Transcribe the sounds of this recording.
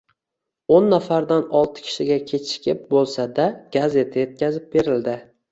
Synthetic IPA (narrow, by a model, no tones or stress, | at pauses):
onːafaɾd̪anɒlˠt̪ʰɪ̥kʲʰɪ̥ʃɪɡʲakʲʰe̞t͡ʃʰɪ̥kʲʰɪp̚bolˠsad̪aɡ̥aze̞t̪ʰaje̞t̪̚kʲazɪp̚be̞ɾɪld̪ɪ